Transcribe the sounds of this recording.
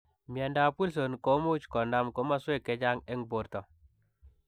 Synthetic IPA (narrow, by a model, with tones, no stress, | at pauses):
mi˨a˨nda˨pu˦lso˨nko˨˦mu˦t͡ʃkɔ˨nda˦mko˨˦ma˦swe˦˨ke˨˦d͡ʒa˦ŋe˦ŋbo˨ɾtɔ˨